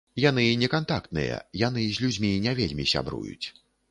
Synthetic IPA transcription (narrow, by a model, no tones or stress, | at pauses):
jan̪ɨnʲɛkant̪akt̪nɨ̰jɛ̰jan̪ɨzʲlʲud͡zʲmʲinʲavʲelʲmʲisʲa̰bɾṵjṵt͡sʲ